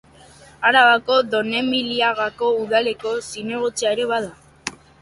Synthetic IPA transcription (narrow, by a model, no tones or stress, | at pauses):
aɾaβako̞ðo̞ne̞miliaɣako̞uðale̞ko̞sine̞ɣot͡seaeɾe̞βaða